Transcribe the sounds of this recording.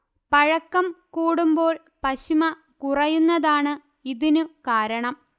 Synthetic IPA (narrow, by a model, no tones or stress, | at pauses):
pɐɻɐkːɐmkuːɽumbo̞ːɭ | pɐɕimɐ | kurɐjunːɐðaːɳɨ | iðinukaːɾɐɳɐm